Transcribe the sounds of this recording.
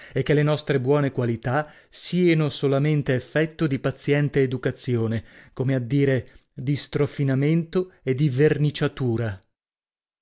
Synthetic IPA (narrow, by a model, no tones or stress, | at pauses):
ekːelenɔst̪ɾebwɔːnekwalit̪a | sianosolament̪eːfːɛt̪ːod̪ipat̪sːjɛnt̪eːd̪ukat̪sːjoːnekomead̪ːiːɾed̪ist̪ɾofinament̪oed̪ivernit͡ʃat̪uːɾa